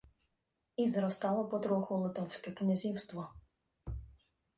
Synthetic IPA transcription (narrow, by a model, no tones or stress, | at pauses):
izɾɔst̪ɑlˠɔpɔd̪ɾɔxɔlˠɔt̪ɔwsʲkɛknʲazʲiwst̪ʋɔ